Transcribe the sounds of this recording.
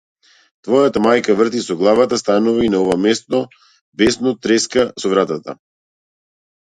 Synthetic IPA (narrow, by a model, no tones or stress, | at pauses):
t̪vɔjat̪amajkavr̩t̪isɔɡlˠavat̪ast̪anuvainaɔvamɛst̪nɔ | bɛsnɔt̪ɾɛskasɔvɾat̪at̪a̰